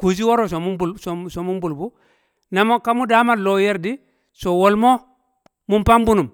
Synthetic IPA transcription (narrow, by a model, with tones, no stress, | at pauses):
ku˨s̬i˦wo˦ɾo˨so˨mu˦bu˨lso˨so˨mu˦mbu˨lbu˦ | na˨mo˦ka˦mu˦da˦ma˦˨lo˦je˦ɾdi˦ | so˨wo˨lmo˦ | mu˦mpa˦mbu˦nu˨m